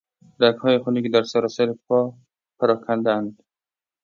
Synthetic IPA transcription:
ɾakhɔjiχunikɪd̪aɾsaɾɔsaɾipʰɔ | pʰaɾɒkʰand̪aand̪

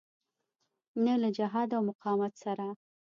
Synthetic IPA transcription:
nəlad͡ʒaɦɑd̪awmʊqɑmat̪saɾa

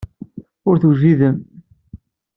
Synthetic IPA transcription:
ʊɾθuʒiðəm

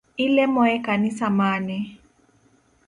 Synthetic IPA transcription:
ilɛmɔɛkanisamaːnɛ

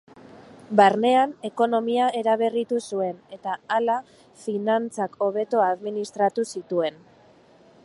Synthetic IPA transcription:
baɾne̞ane̞ko̞no̞miae̞ɾaβ̞e̞rit̪usue̞ne̞t̪aala | finant͡sako̞β̞e̞t̪o̞aðminist̪ɾat̪usit̪ue̞n

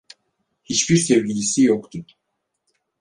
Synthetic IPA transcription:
hit͡ʃbiɾsevlʲiɟisijokt̪ʰʊ

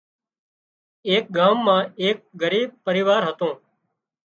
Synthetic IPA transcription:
eːk̚ɡaːmːãːeːk̚ɡəɾiːb̚pəɾɪʋaːɾɦət̪õː

